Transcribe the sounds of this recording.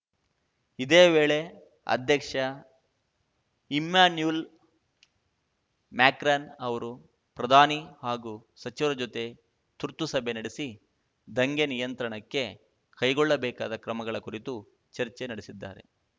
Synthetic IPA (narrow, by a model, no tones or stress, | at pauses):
id̪eːʋeːɭe̞ | ɐ̰d̪ʱjɐkʂɐ | imːaːnjul | maːkɾaːnɐʋɐɾu | pɾɐd̪ʱaːnihaːɡusɐt͡ʃiʋɐɾɐd͡ʒot̪e̞ | t̪uɾt̪ːusɐbʱe̞nɐɽisi | d̪ɐŋɡenijɐnt̪ɾɐɳɐkːe̞ | kɐjɡɔɭːɐbɛːka̰ːd̪ɐkɾɐmɐɡɐɭɐkuɾit̪u | t͡ʃɐɾt͡ʃenɐɽisid̪ːa̰ːɾe̞̰